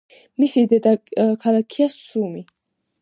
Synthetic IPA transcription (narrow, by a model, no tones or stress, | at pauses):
misid̪ɛd̪akʰalˠakʰiasumi